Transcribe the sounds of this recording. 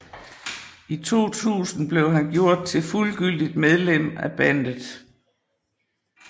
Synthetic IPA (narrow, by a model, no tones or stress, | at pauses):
it͡sʰo̝̰ːt͡sʰṵːsn̩b̥le̝ʊɦænɡ̥jo̝ɐ̰d̥̚t͡sʰe̝lfulɡ̥yl̰d̥id̥̚með̞ˠlem̰æb̥ænd̥ð̩ˠ